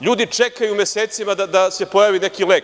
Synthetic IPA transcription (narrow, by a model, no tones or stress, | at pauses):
ʎuːd̪it͡ʃekajumje̞seːt̪simad̪ad̪ase̞po̞jaːʋine̞kilek